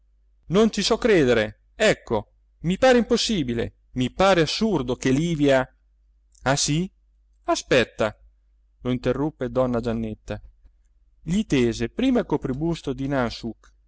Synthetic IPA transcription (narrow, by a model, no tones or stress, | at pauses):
nont͡ʃisɔkːɾeːd̪eɾe | ɛkːo | mipaːɾeimposːiːbilḛ | mipaːɾeasːurd̪okeliːvja | asi | aspɛt̪ːa | loint̪erːupːed̪ɔnːad͡ʒanːet̪ːa | ʎit̪eːzepɾiːmailkopɾibust̪od̪inansuk